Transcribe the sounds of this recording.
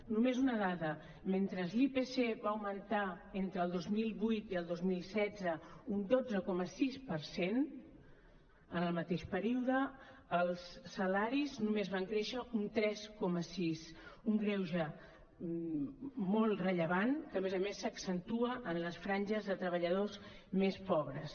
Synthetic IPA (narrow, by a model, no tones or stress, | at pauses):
numezunəðaðə | ment̪ɾəzlipeseβaəwmənt̪a | ent̪ɾəːlˠd̪ozmilˠβujt̪iəlˠd̪ozmilˠsɛd͡zəund̪od͡zəkɔməsispəɾsen | ənəlˠmət̪eʃpəɾiuðəːlˠsːəlaɾiznumezβaŋkɾeʃəunt̪ɾɛskɔməsisuŋɡɾɛwʒə | mɔlˠrəʎəβ̞ankəːmezəmesːəksənt̪uəʔənləsfɾanʲʒəzðət̪ɾəβəʎəðozmespɔβɾəs